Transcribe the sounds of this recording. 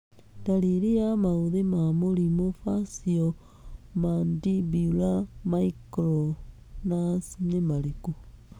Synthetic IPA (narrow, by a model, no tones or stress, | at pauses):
ndaliɾiamauðemamolimofasio | mandibiulamaikɾo | nasnemaliku